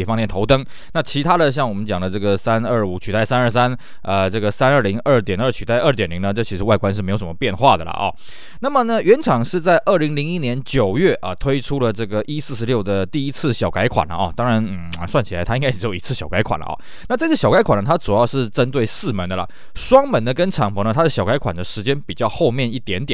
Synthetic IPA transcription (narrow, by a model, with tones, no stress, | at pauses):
ɛ˨˩fɑ˥˧ŋjɛ˥˩nt̪ʰo˧˥ʊt̪ɤ˥ŋ | na˥˩t͡ɕʰi˧˥t̪ʰa˥d̪ə˨ɕ̬jɑ˥˩ŋwɔ˨˩mə˦nt͡ɕjɑ˨˩ŋd̪ə˦ʈ͡ʂɤ˥˩ɡə˩sa˥nə˥˩u˨˩t͡ɕʰy˨˩a˥˩ɪsa˥nə˞˥˧˩sa˥n | ə˧ʈ͡ʂɤ˥˩ɡə˩sa˥nə˞˥˩li˧˥ŋə˥˩˧t̪jɛ˨˩nə˞˥˩t͡ɕʰy˨˩t̪a˥˧ɪə˞˥˧t̪̬jɛ˨˩nli˧˥ŋnə˧ʈ͡ʂt͡ɕʰi˧˥ʂɻ̩˧˥wa˥˩ɪkwa˥nʂɻ̩˥˩e˧˥ɪo˧˥ʊʂə˩mə˧pjɛ˥˧nxwa˥˩d̪ə˩lə̰˩ʔɔ̰˨˩ | na˥˩mə˨nə˩ɥɛ˧˥nʈ͡ʂʰɑ˨˩ŋʂɻ̩˥˧t͡sa˥˧ɪʔə˥˩li˧˥ŋli˧˥ŋi˦˥njɛ˧˥nt͡ɕjo˨˩ʊjɥɛ˥˩ʔə˨˩t̪ʰwe˥ɪʈ͡ʂʰu˥lə˨ʈ͡ʂɤ˥˩ɡə˩ʔi˦˥sɹ̩˥˩ʂɻ̩˧ljo˥˩ʊd̪ə˩t̪i˥˧i˦˥t͡s̩ʰ˥˩ɕjɑ˨ʊka˧˥ɪkʰwa̰˨˩nlə̰˦˩ʔɔ̰˨˩t̪ɑ˥ŋɻa˧˥nn̩˥˩swa˥˩nt͡ɕʰi˨˩a˧˦ɪtʰa˥i˥ŋa˥˩˨ʂɻ̩˥jo˨˧ʊḭ˨˥˩t͡s̩ʰ˥˩ɕjɑ˨˩ʊka˧˥ɪkʰwa̰˨˩nlə̰˩ɔ̰˨˩ | na˥˧ʈ͡ʂɤ˥˧t͡s̩ʰ˥˩ɕjɑ˨˩ka˧˥ɪkʰwa˨˩nə˩t̪ʰa˥ʈ͡ʂu˨jɑ˥˧ʊʂɻ̩˥˩ʈ͡ʂə˦˥nt̪̬we˥˩ɪsɹ̩˥˩mə˧˥nd̪ə˧ə̰˨ | ʂwɑ˥ŋmə˧˥nd̪ə˧kə˥nʈ͡ʂʰɑ˨˩ŋpʰɤ˧˥˦nə˧t̪ʰa˥d̪ə˩ɕjɑ˨˩ʊka˧˥ɪkʰwa˨˩nd̪ə˩˦ʂɻ̩˧˥t͡ɕjɛ˥npi˨˩t͡ɕjɑ˥˧ʊxo˥˧ʊmjɛ˥˧ni˥˩t̪jɛ˧˥nt̪jn